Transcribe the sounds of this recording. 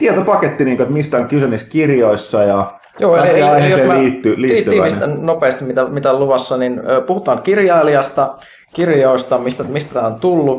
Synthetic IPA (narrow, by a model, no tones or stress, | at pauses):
t̪iet̪opɑket̪ːiniːŋkoet̪mist̪æoŋkysøniskirjoisːɑjɑ | joːeieiejosesmiːt̪ːyliːiːt̪ːiːʋist̪ænnopeːst̪imit̪æmit̪æluʋɑsːɑninøːpuhut̪ɑːŋkirjɑiliɑst̪ɑ | kirjoist̪ɑmist̪æmist̪æt̪æːont̪ulːu